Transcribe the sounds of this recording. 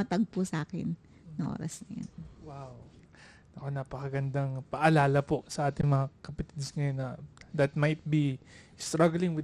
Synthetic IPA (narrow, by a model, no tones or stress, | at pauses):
ɐt̪ɐɡ̚pʊsɐʔaːkɛ̰nː | ɐŋʔo̰ːɾɐ̰snɐjo̰nwaw | ɐko̞naːpɐkɐɡɐnd̪aŋpɐʔɐlaːlɐpo̞sɐʔaːt̪ɪŋmɐŋakɐpɐt̪id̪sŋɐjo̞nːɐd̪ɐt̪̚majt̪̚bi | st̪ɹaɡlɪŋwɪ